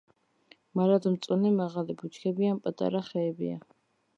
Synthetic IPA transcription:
maɾad̪ɔmt̪sʼunimaʁalibut͡ʃʰkʰɛbianpʼat̪ʼa̰ɾaχɛːbḭa̰

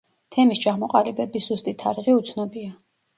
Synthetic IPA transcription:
t̪ʰɛmist͡ʃʰamɔqʼalibɛbisz̥ust̪ʼit̪ʰaɾʁiut̪sʰnɔbia

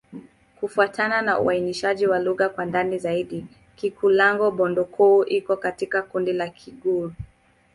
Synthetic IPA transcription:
kufuatananaṵainiʃaʄiwaluɣakwandanizaiɗi | kikulaŋɡɔɓɔndɔkʰuːʔikɔkatikakundilakʰiɠu

